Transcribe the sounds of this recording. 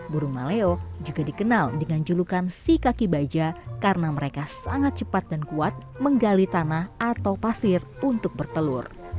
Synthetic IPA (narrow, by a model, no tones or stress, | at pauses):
buɾuŋmaleod͡ʒuɡadikənaldəŋand͡ʒulukansikakibad͡ʒakarənaməɾekasaŋat̪̚t͡ʃəpat̪̚dankuat̪̚ | məŋɡalit̪anahat̪awpasɪrunt̪ʊk̚bərt̪əlʊr